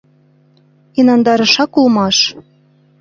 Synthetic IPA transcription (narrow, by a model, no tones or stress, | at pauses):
inɑnd̪ɑɾɤ̆ʃɑkulmɑʃ